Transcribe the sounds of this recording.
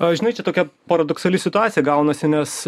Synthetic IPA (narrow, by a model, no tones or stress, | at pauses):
ɐʒʲɪnɐɪt͡ʃʲɛt̪oːkʲɛpɐɾɐd̪ɔksɐlʲɪsʲɪt̪ʊaːt̪ʲjɛɡɐʊnɐsʲɪnʲɛs